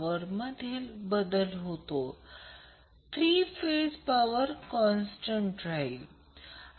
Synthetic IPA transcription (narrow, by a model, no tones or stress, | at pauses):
əɾməd̪ʱiːlbəd̪əlɦot̪o | t̪ʰɾiːfed͡zpaʋəɾkɔnsʈəɳʈɾai